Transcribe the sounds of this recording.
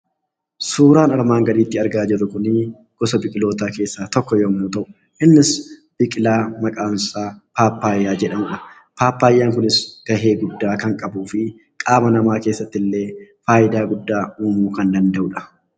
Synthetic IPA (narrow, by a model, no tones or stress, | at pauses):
suːɾaːnɐɾmaːŋɡɐd̪iːt̪ːɪɐɾɡaːd͡ʒɪrːʊkʊnɪ | ɡ̥ɔsɐbɪkʼɪlo̞ːt̪aːke̞ːsːaːt̪ɔkːɔjɔmuːt̪ɐʔʊ | ʔɪnːɪsb̥ɪkʼɪlaːmɐkʼaːnsaːpaːpːaːjːaːd͡ʒɛᶑɐmʊᶑɐ | paːpːaːjːaːŋkʊnɪsɡ̥ɐɦe̞ːɡʊd̪ːaːkɐŋkʼɐbuːfɪ | kʼaːmɐnɐmaːke̞ːsːɐt̪ːɪlːeːfaːʔɪd̪aːɡʊd̪ːaːuːmuːkɐnd̪ɐnd̪ɐʔʊᶑɐ̥